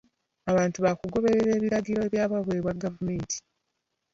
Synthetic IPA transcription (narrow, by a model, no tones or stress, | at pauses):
aβaːntuβakuɡo̞βe̞ɾeɾe̞ːβiɾaɡiɾo̞eβjaːβaβweːβwaɡavume̞ːntʰi̥